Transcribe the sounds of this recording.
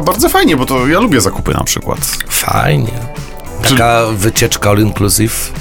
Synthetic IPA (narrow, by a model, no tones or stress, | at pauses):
baɾd̪zɔfajɲɛbɔt̪ɔjalubʲjɛzakupɘ̰na̰pʂɘ̰kwa̰t̪fa̰jɲɛ̰ | t̪akavɘt͡ɕɛt͡ʂkaɔliŋkluzif